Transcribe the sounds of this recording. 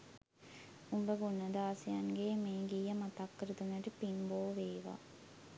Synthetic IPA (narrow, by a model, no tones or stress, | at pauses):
umbəɡunːɐd̪aːsijɐŋɡeːmeːɡiːɐmat̪akːəɾud̪unɐʈipinboːʋeːʋa̰ː